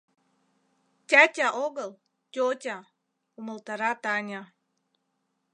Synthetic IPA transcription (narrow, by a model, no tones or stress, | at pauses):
tʲætʲɑʔoɣəlˠ | tʲotʲɑ | umə̆lˠt̪ɑɾɑt̪ɑnʲɑ